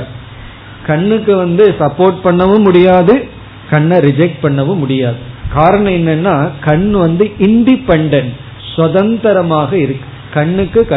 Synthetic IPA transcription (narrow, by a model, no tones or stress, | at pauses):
ɾ | kɐɳːɯkːɯʋɐnd̪ɯsɐpːoːɾʈ̚pɐɳːɐʋɯmʊɽɪjaːðɯ | kɐɳːɐɾɪd͡ʒɛk̚ʈ̚pɐɳːɐʋɯmʊɽɪjaːðɯkaːɾɐɳɐ̃ɛnːɛnːaːkɐɳːʋɐnd̪ɯʔɪɳɖɪpːɛɳɖɐn | sʋɐðɐnt̪ɐɾɐmaːɣɐɪɾɯkːɯ̥ | kɐɳːɯkːɯkɐ